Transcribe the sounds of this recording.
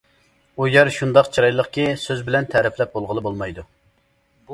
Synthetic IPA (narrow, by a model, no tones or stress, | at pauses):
ujɛɾʃund̪ɑqt͡ʃʰiɾɑjlˠəqkʲisøzbɪlɛnt̪ʰɛɾɪplɛp̚bolˠʁəlˠɨbolˠmɑjd̪u